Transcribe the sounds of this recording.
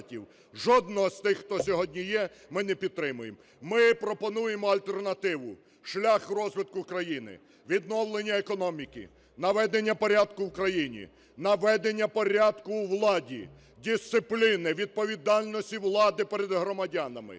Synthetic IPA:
tʲiw | ʒɔd̪nɔɦɔst̪ɪxːt̪ɔsʲɔɦɔdʲnʲijɛmɪnɛpʲid̪t̪ɾɪmʊjem | mɪpɾɔpɔnujemɔɐlʲt̪ɛrnɐt̪ɪʋʊ | ʃlʲaxrɔzʋɪt̪̚kʊkɾɐjinɪ̰ | ʋʲid̪nɔwlˠenʲːɐekɔnɔmʲikɪ̰ | nɐʋɛd̪enʲːɐpɔɾʲad̪kʊwkɾɐjinʲḭ | nɐʋɛd̪enʲːɐpɔɾʲad̪kʊwlˠɑdʲi | dʲist̪sɪplʲinɪʋʲid̪̚pɔʋʲid̪ɑlʲnɔsʲtʲiwlˠɑd̪ɪpɛɾɛd̪ɦɾɔmɐdʲanɐmɪ̰

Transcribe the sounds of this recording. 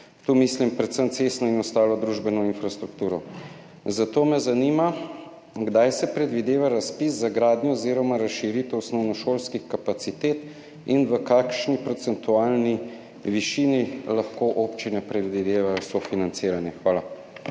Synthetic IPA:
t̪uːmislimpɾɛt̪səmt̪sesnɔinɔst̪aːlɔd̪ɾuʒbɛnɔinfɾast̪ɾukt̪uːɾɔ | zat̪oːmɛzanima | ɡd̪ajsɛpɾɛd̪ʋid̪eːʋaɾaspiszaɡɾaːd̪njɔoziɾɔmaɾasʃiɾit̪ɔwsnɔwnɔʃolskixkapat̪sit̪eːt̪ | inʋəkaːkʃnipɾɔt̪sɛnt̪uaːlni | ʋiʃinilaxkoʔoːpt͡ʃinɛpɾɛd̪ʋid̪eːʋajɔsɔfinant̪siːɾanjɛxʋaːla

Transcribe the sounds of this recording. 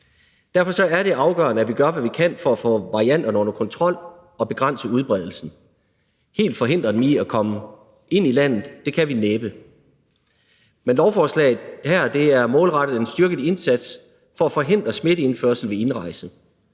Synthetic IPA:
d̥æɐfɒ̽sɒ̽æɐɾe̝ʔɑ̈ʊɡ̥ɶ̰ɐnəæʋiɡ̥ɶɐʋæʋikʰæn̰fɒ̽æfɔ̰̽ːʋɑ̈ʁiæn̰d̥ɐnəɔ̽nɐkʰɒ̽nt͡sʰʁɒ̽l̰ | ɒ̽b̥e̝ɡ̥ʁɑ̈n̰səuð̞ˠb̥ʁɛð̞ˠl̩sn̩ | he̝̰ːld̥fɒ̽ɦe̝n̰d̥ʁɐd̥emiækʰɒ̽mə | e̝n̰ilæn̰ð̩ˠd̥e̝kʰæʋineːb̥ə | menlɒʊfɒːslɛ̰ːɪð̩ˠhæɐ̰d̥e̝æɐmɔ̽ːlʁɑ̈ɾ̥ð̩ˠensd̥yɐɡ̥ð̩ˠe̝nsæd̥s | fɒ̽æfɒ̽ɦe̝n̰d̥ʁɐsme̝ɾ̥əe̝nføɐsl̩ʋe̝e̝nʁɑ̈ɪsð̩ˠ

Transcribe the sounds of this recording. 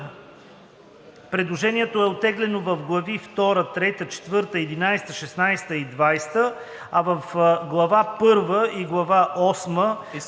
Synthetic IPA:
pɾɛd̪lˠoʒɛniɛt̪oɛot̪ːɛɡlɛnovɐfɡlˠɐvift̪ɔɾət̪ɾɛt̪ət͡ʃɛ̥t̪vɤɾt̪əɛd̪inajst̪əʃɛsnajst̪əid̪vajst̪ə | ɐvəfɡlˠɐvapɤɾvəʔiɡlˠɐvaʔɔsmə

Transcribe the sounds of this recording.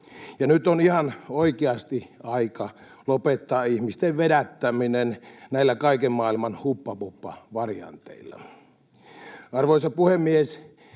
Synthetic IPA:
jɑnyt̪onihɑnoikeɑst̪iɑikɑ | lopet̪ːɑːihmist̪eʋʋedæt̪ːæminennæilːækɑikemmɑːilmɑnhupːɑpupːɑ̰ʋɑrjɑ̰nt̪ḛilːɑ̰ | ɑrʋoisɑpuhemːies

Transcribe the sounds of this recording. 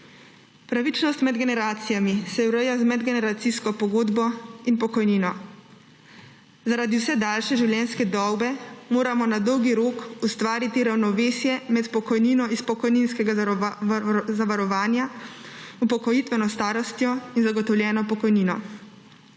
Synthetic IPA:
pɾaʋit͡ʃnɔst̪mɛd̪ɡɛnɛɾaːt̪sijamisɛwɾəjazmɛd̪ɡɛnɛɾat̪siskɔpɔɡoːd̪bɔinpɔkɔjniːnɔ | zaɾaːd̪iwsɛd̪aːlʃɛʒiwljɛnskɛd̪ɔwbɛmoːɾamɔnad̪ɔwɡiɾoːkust̪ʋaːɾit̪iɾawnɔʋeːsjɛmɛt̪pɔkɔjniːnɔispɔkɔjninskɛɡa | zaʋaɾɔʋaːnja | upɔkɔjit̪ʋɛnɔst̪aːɾɔst̪jɔinzaɡɔt̪ɔwljɛːnɔpɔkɔjniːnɔ

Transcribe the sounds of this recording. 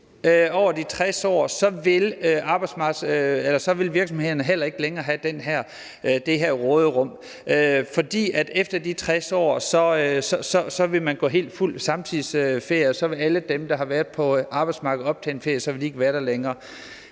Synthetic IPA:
øɒʊɐd̥it͡sʰʁɛsɒ̰ːsɒ̽ʋe̝løʔɑ̈ːb̥ɑ̈ɪdsmɑ̈ːɡ̥elɐsɒ̽ʋe̝lʋiɐɡ̥sɒ̽mheð̰ˠɐnəɦel̰ɐe̝ɡ̥əleŋɐːɦæd̥enɦæɐ̰ | d̥e̝ɦæɐ̰ʁɔ̽ːðˠəʁɔ̽m̰ | ʔøfɒ̽d̥ḭːæd̥efd̥ɐd̥it͡sʰʁɛsɒ̰ːsɒ̽øsɒ̽sɒ̽sɒ̽ʋe̝mænɡ̥ɔ̰ːɦe̝̰ːld̥ful̰sɑ̈mt͡sʰiðˠsøfe̝ɐ̰jsɒ̽ʋe̝læləd̥emd̥ɑ̈ɦɑ̈ʋæɐðˠpʰɒ̽ʔɑ̈ːb̥ɑ̈ɪd̥smɑ̈ːɡ̥ð̩ˠɒ̽b̥̚t͡sʰɛ̰ːenfe̝ɐ̰jəsɒʋeld̥ie̝ɡ̥əʋæːɐɾ̥æleŋɐː

